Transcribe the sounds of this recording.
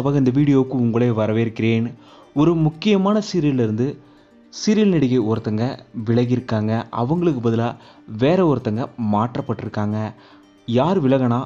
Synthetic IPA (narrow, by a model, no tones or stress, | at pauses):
ɐʋaːɣɡɐɪnd̪ɐʋiːɽɪjoːkːɯ̃ʊŋɡɐɭeːʋɐɾɐʋeːɪɾɯkːɪɾeːn | ɔɾɯmʊkːɪjɐmaːnɐsɪɾɪlɪɾɯnd̪ɯ | sɪɾɪlnɪɽɐɣɐɪɔɾɐt̪ːɐŋɡɐʋɪɭɐɣɪɾɯkːaːŋɡɐʔɐ̰ʋɐŋɡɐɭɯkːɯbɐðɪlaː | ʋeːɾɐɔɾɐt̪ːɐŋɡɐmaːʈrɐpːɐʈːɪɾɯkːaːŋɡɐ | jaːɾʋɪɭɐɣɐnaː